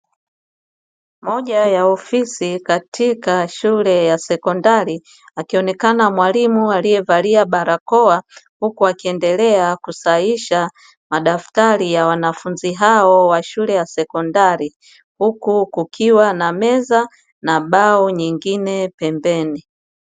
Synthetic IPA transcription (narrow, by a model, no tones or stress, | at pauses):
mɔʄajaɔfisikatʰikaʃulɛjasɛkɔndaɾi | akiɔnɛkanamwalimualiɛvaliaɓaɾakɔahukuakiɛndɛlɛakusaiʃa | maɗaftaɾijawanafunziɦaɔwaʃulɛjasɛkɔndaɾi | hukukukʰiwanamɛza | naɓaɔɲiŋɡinɛpɛmbɛni